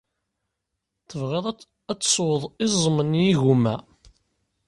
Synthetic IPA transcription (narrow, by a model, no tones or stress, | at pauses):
θəvʁeðˤ | æt͡sːsˤwðˤɪzˤəmənjiɣumæ